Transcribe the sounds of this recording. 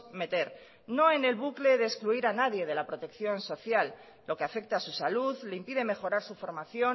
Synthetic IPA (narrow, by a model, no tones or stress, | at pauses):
me̞t̪e̞ɾ | no̞e̞ne̞lβukle̞ðeskluiɾanaðje̞ð̞e̞lapɾo̞t̪e̞kθjo̞nso̞θjalː | o̞ke̞afe̞k̚t̪asusaluðleimpiðe̞me̞xo̞ɾaɾsufo̞ɾmaθjo̞